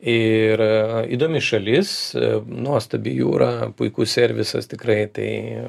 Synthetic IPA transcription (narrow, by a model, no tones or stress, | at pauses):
ɪrḭːd̪oːmʲɪʃɐlʲɪsnuɔst̪ɐbʲijṵːɾaːpʊɪkuːsʲɛɾʲʋʲɪsɐ̰st̪ʲɪkrɐɪt̪ɐ̰ɪ